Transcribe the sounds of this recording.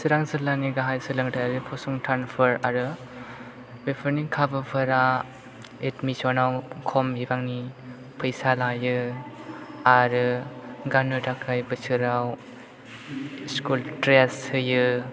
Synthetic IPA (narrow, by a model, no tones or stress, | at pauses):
sɯɾaŋzɯlaniɡaɦajsɯlɯŋtʰajaɾɯpʰɔsɔŋtʰanpʰɯɾaɾɯ | bepʰɯɾnikʰabɯpʰɯɾa | etmisɔnawkʰɔmibaŋni | pʰɯjsalajɯ | aɾɯɡanɯdakʰajbɯsʰɯɾaw | skultɾeshɯjɯ